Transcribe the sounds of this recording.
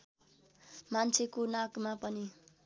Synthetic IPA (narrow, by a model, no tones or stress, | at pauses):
mant͡sʰekonakmapʌni